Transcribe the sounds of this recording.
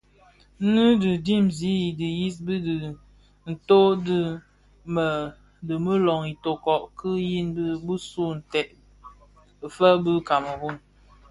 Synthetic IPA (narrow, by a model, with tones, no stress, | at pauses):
nɨ˦dɨ˨di˦mzi˨˦i˨di˨ji˦s̬bi˦di˨ | n̩˨to˦dɨ˦ | mə˨ | də˨mə˦lɔ˨ŋi˨to˨kɔ˨ʔkɨ˦ji˦nbbə˦su˦˨n̩˨tɛ˨ʔ | fə˦bə˦ka˨mə˨bu˦˨n